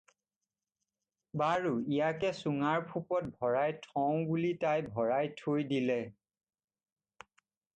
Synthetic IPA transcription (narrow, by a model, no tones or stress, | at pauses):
baɹuijakɛsuŋaɹpʰupɔt̚bʱɔɹajtʰɔ̃w̃bulitajbʱɔɹajtʰojdilɛ